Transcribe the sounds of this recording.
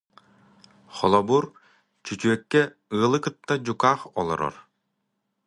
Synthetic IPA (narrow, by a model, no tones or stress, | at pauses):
χɔlˠɔbuɾ | t͡ɕyt͡ɕyœkːɛ | ɯːlˠɯkɯt̪ːad͡ʑukaːχɔlˠɔ̰ɾɔ̰ɾ